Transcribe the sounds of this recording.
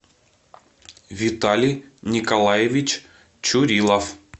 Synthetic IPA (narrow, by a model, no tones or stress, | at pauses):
vʲɪt̪alʲijnʲɪkɐlˠajevʲɪt͡ɕ | t͡ɕʊɾʲilˠɐf